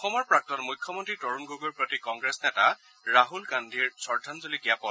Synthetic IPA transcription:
ɔxɔmɔɹpɹak̚tɔnmujkʰːɔmɔntɹitɔɹunɡoɡuɹpɹotikɔŋɡɹesnɛta | ɹaɦulɡandʱiɹsɔɹdʱanzolikiapɔl

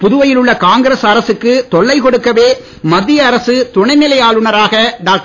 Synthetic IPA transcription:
pʊðʊʋɐjɪlɯɭːɐkaːŋɡɪɾesɐɾɐsɯkːɯt̪ɔɭːɐɪkɔɽɯkːɐʋeː | mɐðɪjɐːɾɐsɯt̪ʊɳɐɪnɪlɐjaːlʊɳɐɾaːɣɐɖaːk̚ʈ

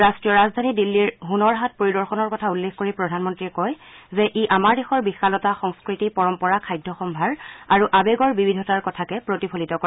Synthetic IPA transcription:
ɹaskɹiɔɹazd̪ʱanidilːiɹɦunɔɹɦat̚poɹidɔɹxɔnɔɹkɔtʰaulːexkoɹipɹɔdʱanmɔntɹiɛkɔj | zɛʔiʔamaɹdexɔɹbixalɔtaxɔŋskɹitipɔɹɔmpɔɹakʰajdʱːɔxɔmbʱaɹaɹuʔabeɡɔɹbibidʱɔtaɹkɔtʰakɛpɹotipʰolitɔkɔa

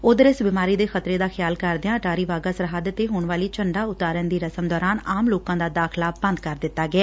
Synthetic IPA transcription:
ʊd̪əɾɪsbimaːɾiːd̪eːxət̪ɾeːd̪aːxʰɪjaːlkəɾd̪ɪãːʈaːɾiːʋaːɡaːsɾəɦaːd̪ət̪eːɦoːɳʋaːliːt͡ʃəɳɖaːʊt̪aːɾənd̪iːɾəsəmd̪ɔːɾaːnaːmloːkãːd̪aːd̪aːkʰlaːbə̃nd̪kəɾd̪ɪt̪ːaːɡɪɛː

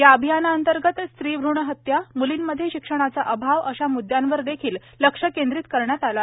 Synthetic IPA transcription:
jaəbʱijanaənt̪əɾɡət̪st̪ɾiːbʱɾuɳəɦət̪jamuliːnməd̪ʱːjeɕikʂəɽ̃at͡saʔəbʱaʋəɕamud̪janʋəɾd̪ekʰiːlːəkʂəkend̪ɾiːt̪kəɾɳjat̪ala

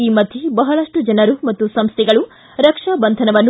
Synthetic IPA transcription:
iːmɐd̪ʱjebɐɦɐɭɐʂʈud͡ʒɐnɐɾumɐt̪ːusɐmst̪ʰiɡɐɭu | ɾɐkʂabɐnd̪ʱɐnɐʋɐnː

